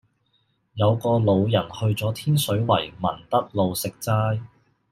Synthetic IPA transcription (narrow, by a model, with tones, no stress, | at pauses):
jɐ˨˧wkɔː˧lo˨˧wjɐ˨˩nhɵ˧ɥt͡sɔː˨˥t̪ʰiː˥nsɵ˨˥ɥwɐ˨˩jmɐ̰˨˩nt̪ɐ˥t̚lo˨˧wsɪ˨k̚t͡saː˥j